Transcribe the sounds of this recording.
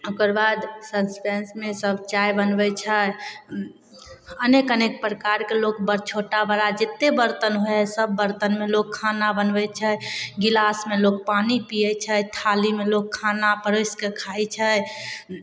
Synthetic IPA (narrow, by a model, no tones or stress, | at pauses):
okəɾbad̪sənspensmesəbʱt͡ʃajbənbɛt͡ʃʰə | ənekənek̚pɾəkaɾkelokbəɾt͡ʃʰoʈabəɾad͡ʒet̪ːebəɾt̪ənɦoɛsəbːəɾt̪ənmelokʰːanabənbɛt͡ʃʰəɡilasmelok̚panipijɛt͡ʃʰət̪ʰalimelokʰːanapəɾoskekʰajt͡ʃʰə